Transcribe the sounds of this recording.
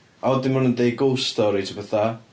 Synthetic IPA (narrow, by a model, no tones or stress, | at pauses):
aɔdɪmʊnəndej̚ɡolˠstɔɾitʰəbəθa